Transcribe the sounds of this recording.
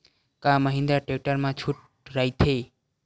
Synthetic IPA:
kaməɦĩnd̪aʈekʈəɾmãt͡ʃʰuʈ | ɾajt̪ʰe

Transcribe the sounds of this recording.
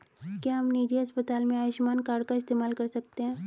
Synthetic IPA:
kjaːɦɐmniːd͡ʒiɦɐspət̪aːlmẽaːʋɪʃmaːnkaːɾɖkaɪst̪eːmaːlkɐɾsɐk̚t̪eɦɛ̃ː

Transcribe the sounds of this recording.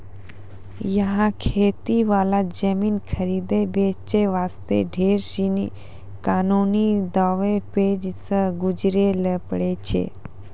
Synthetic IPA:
jəɦãkʰet̪iʋalad͡ʑəmiːnkʰəɾid̪ebet͡ɕeʋast̪ḛɖʱeɾɕinḭ | kanunid̪ɔʋeped͡ʑt͡səɡud͡ʑɾeləpɽet͡ɕʰḛ

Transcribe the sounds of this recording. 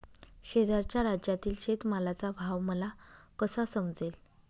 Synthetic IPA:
ɕed̪aɾt͡ɕjaɾad͡ʑjat̪iːlɕet̪malat͡sabʱaʋməlakəsasəmd͡zel

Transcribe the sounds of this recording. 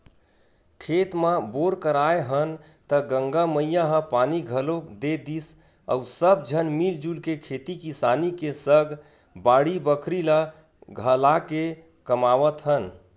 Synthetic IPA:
kʰet̪maboɾkəɾaeɦən | t̪əɡəŋɡaməjaɦə̃paniɡʱəlod̪ed̪is | ə̰usəb̚d͡ʒʱənmild͡ʒulkekʰet̪ikisanikesəɡ | baɽibəkʰɾila | ɡʱəlake | kəmaʋət̪ɦən

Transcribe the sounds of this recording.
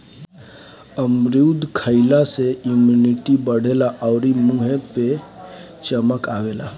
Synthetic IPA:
əmɾid̪ʱkʰəɪlaseumjuniʈibəɽ̤elaʔɔʊɾimuɦepe | t͡ʃəməkaʋela

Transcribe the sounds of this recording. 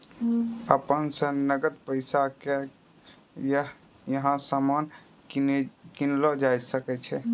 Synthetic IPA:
əpənsə̃nəɡət̪pəjsake | j | jəɦãsaman | kinlɔd͡ʒajsəkɛt͡ʃʰɛ

